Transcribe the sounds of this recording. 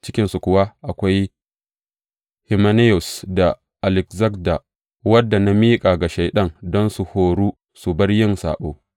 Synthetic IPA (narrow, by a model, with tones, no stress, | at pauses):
t͡ʃɪ˦kʲɪ˦nsu˨kʷʊ˨wa˦ʔa˨kʷa˦j | hɪ˨ma˦ne˦jʊ˨sda˨ | ʔa˨lɪ˨kzɐ˦kda˨ | wɐ˦dːa˨na˦miː˦kʼa˨ɡa˨ʃa˨jɗɐ˦ŋdɔ˦nsu˨hoː˨ɽuː˦ | su˨bɐ˦rjɪ˦nsa̰ː˨ɓo̰ː˦